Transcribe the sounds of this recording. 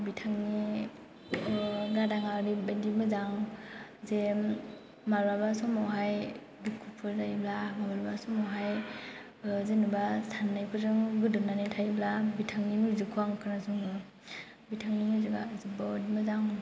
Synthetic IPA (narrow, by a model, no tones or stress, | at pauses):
bitʰaŋni | ɡadaŋaɾibajdimɯzaŋ | ze | maɾbabasɔmɔwɦaj | bikʰupʰɯɾzajblamabaɾbasɔmɔwɦaj | zenɯbasʰanːajpʰɯzɯŋɡɯdunanitʰajblabitʰaŋninuzɯkʰuaŋkʰɯɾnasuŋɡɯ | bitʰaŋnimizɯɡazɯbɔdimɯzaŋ